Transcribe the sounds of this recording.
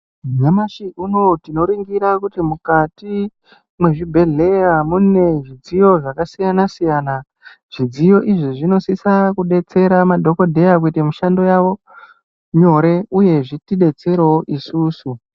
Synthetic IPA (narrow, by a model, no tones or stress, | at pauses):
ɲamaʃiʔuno̞tino̞ɾiŋɡiɾakutimukati | mwe̞ʐibʱe̞ɮe̞jamune̞ʐid͡zijo̞ʐakasijanasijana | ʐ̥id͡zijo̞ʔiʐiʐino̞sisakuɗe̞t͡se̞ɾamadʱo̞ko̞dʱe̞jak̬uitemuʃando̞jaʋo̞ | ɲo̞ɾe̞uje̞ʐitiɗe̞t͡se̞ɾeoʔisuːsu